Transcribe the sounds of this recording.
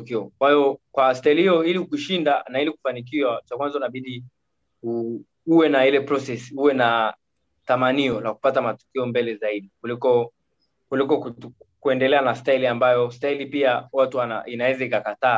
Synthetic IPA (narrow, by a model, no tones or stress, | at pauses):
kiɔkwaijɔkwastailihiɔilihukuʃindanailiku̥fanik̬iwat͡ʃakwanzaunaɓiɗi | u | uwɛnahilɛpɾɔsɛsi̥uwɛna | tamaniɔlaku̥patamatɔ̥kiɔmbɛlɛzaiɗikulikɔ | kulikɔku | kuɛndɛlɛanastailiambajɔstailipiawatuwana̰inawɛzaikakataː